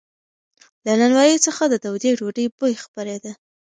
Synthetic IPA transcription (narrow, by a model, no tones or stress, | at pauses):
lananwɑjit͡səxad̪əd̪awd̪eɖoɖəjbojxpaɾed̪a